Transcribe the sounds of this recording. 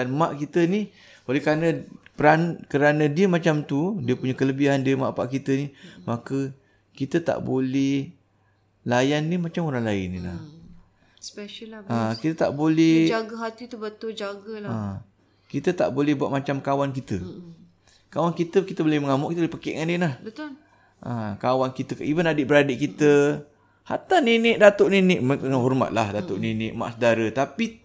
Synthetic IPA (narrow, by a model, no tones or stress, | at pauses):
danmaʔkit̪əni | olɛkəɾanəpəɾankəɾanə̃diəmat͡ʃamt̪udiəpuɲəkələbiɦandiəma̰ʔpa̰ʔkit̪ənimakə | kit̪ət̪a̰ʔbolɛh | lajanːimat͡ʃamoɾaŋlaɪnːḭla̰h | spɛʃəlakit̪ət̪a̰ʔbolɛd͡ʒaɡəɦat̪it̪ubət̪ʊld͡ʒaɡəl | kit̪ət̪a̰ʔbolɛhbuat̪̚mat͡ʃamkawankit̪ə | kawankit̪əkit̪əbolɛhməŋamʊʔkit̪əbolpəkeʔŋanilahbət̪ʊl | ʔə̰kawankit̪əkaʔibanadiʔbəɾadiʔkit̪ə | ha̰t̪aninɪʔ̚dat̪oʔninɪʔməəŋaɦɔrma̰t̪̚lahdat̪oʔninɪʔ̚ma̰ʔsədaɾət̪api